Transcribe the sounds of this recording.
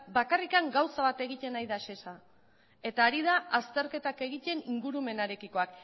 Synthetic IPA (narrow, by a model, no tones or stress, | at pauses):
bakarikaŋɡawsaβat̪e̞ɣit̪e̞najðaʃe̞sa | e̞t̪aːɾiðaʔast̪e̞ɾke̞t̪ake̞ɣit̪e̞niŋɡuɾume̞naɾe̞kiko̞ak